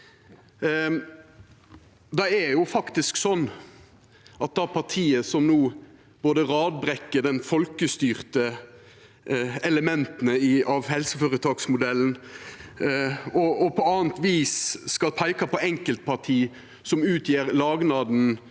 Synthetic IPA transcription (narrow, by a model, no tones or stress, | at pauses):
d̪ɛæɾjʊfɑkt̪ɪsksɔnː | ʔɑt̪̚d̪ɛæɾpʰɑt̪ʰiːəsɔmnuː | boːd̪əʁɑːd̪̚bɾɛkːəɖ̪ɛnfɔlkəst̪yːʁt̪ə | ɛləmɛnt̪nəɪɑʋhɛlsəføːɾət̪ʰɑːksmʊd̪ɛlːn̩ | ɔɔpʰɔɑːənt̪ʋiːsskɑlpʰæɪkɑpʰɔɛŋkəlt̪̚pʰɑʁt̪ʰiː | sɔmʉːt̪ʰjeːɾlɑːɡnɑːd̪n̩